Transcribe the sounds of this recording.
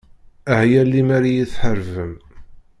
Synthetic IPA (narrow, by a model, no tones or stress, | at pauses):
əhjælːimæɾijiθħəɾvəm